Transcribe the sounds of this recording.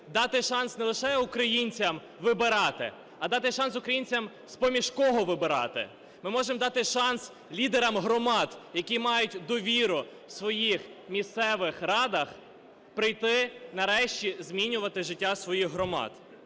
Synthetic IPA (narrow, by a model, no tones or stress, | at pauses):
d̪ɑt̪ɪʃɑnsnɛlˠɪʃɛʊkɾɐjinʲt͡sʲɐm | ʋɪbɪɾɑt̪ɪ̰ | ɐd̪ɑt̪ɪʃɑnsʊkɾɐjinʲt͡sʲɐm | spɔmʲiʃkɔɦɔʋɪbɪɾɑ̰t̪ɪ̰ | mɪmɔʒemɔd̪ɑt̪ɪʃɑns | lʲid̪eɾɐmɦɾɔmɑd̪jɐkʲimɑjʊtʲd̪ɔʋʲiɾʊ | sʋɔjixmʲist̪sɛʋɪxɾɑd̪ɐx | pɾɪjt̪ɪnɐɾɛʃt͡ʃʲizmʲinʲʊʋɐt̪ɪʒɪtʲːasʋɔjixɦɾɔmɑ̰d̪̥